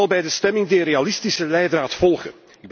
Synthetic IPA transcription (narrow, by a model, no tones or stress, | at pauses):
ɑlˠbɛjdəstɛmɪŋdiːrealɪstisəlɛjdraːtfɔlˠɣə̰ | ɪɡ̚b